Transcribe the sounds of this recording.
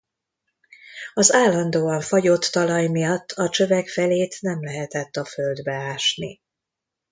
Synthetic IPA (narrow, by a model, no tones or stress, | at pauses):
ɒzaːlːɒnd̪oːɒɱfɒɟot̪ːɒlɒjmijɒt̪ːɒt͡ʃø̞vɛkfɛleːt̪nɛmlɛɦɛt̪ɛt̪ːɒfø̞ld̪bɛaːʃnḭ